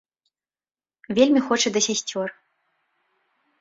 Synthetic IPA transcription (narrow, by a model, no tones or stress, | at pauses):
vʲelʲmʲixɔt͡ʂɐd̪ɐsʲɛsʲt͡sʲor